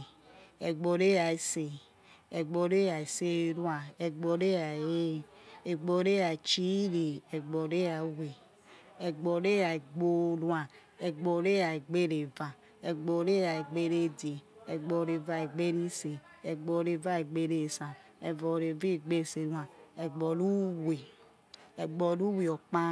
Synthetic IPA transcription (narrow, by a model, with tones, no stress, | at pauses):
ɛ˨ɡ͡bɔ˨ɾe˦ja˨e˨˦se˨ | ɛ˨ɡ͡bɔ˨ɾe˦ja˨e˨se˦n˦a˨ɛ˨ɡ͡bɔ˨ɾe˦a˨e˦˨ɛ˨ɡ͡bo˨ɾe˦ja˨t͡ʃi˦ɾe˨ɛ˨ɡ͡bɔ˨ɾe˦a˨˦we˨ | ɛ˨ɡ͡bɔ˨ɾe˦a˨e˨ɡ͡bo˦nwa˨ | ɛ˨ɡ͡bɔ˨ɾe˦a˨e˨ɡ͡be˦ɾe˨va˨ | ɛ˨ɡ͡bɔ˨ɾe˦ja˨e˨ɡ͡be˦ɾe˦˨de˨ɛ˨ɡ͡bɔ˨ɾe˨va˨e˨ɡ͡be˦ɾi˦se˨ | ɛ˨ɡ͡bɔ˨ɾe˨va˦e˨ɡ͡be˦ɾe˦˨sã˨ | ɛ˨vɔ˨ɾe˨vi˦˨ɡ͡be˦˨se˨nũ˦a˨ɛ˨ɡ͡bɔ˨lu˦we˨ | ɛ˨ɡ͡bɔ˨lu˦wi˨ɔ˨k͡pa˦